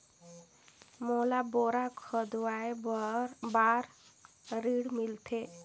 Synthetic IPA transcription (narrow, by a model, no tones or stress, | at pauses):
molaboɾakʰɔd̪wae | baɾ | ɾiɽmilt̪ʰe